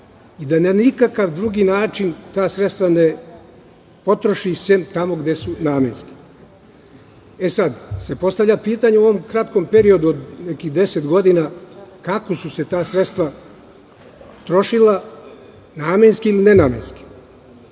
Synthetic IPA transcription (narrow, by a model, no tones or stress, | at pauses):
id̪ananikakaʋd̪ɾuɡiːnaːt͡ʃint̪aːsɾet̪st̪ʋane̞ | po̞t̪ɾo̞ʃisemt̪amo̞ɡd̪e̞sunaːmenski̥ | e̞sad̪se̞po̞st̪avʎʲapiːt̪aɲeuoʋo̞mkɾat̪ko̞mpe̞ɾio̞d̪uod̪nekihd̪e̞set̪ɡo̞d̪inakakosuse̞t̪aːsɾet̪st̪ʋa | t̪ɾo̞ʃilˠa | naːme̞nskiilinenaːmḛnski̥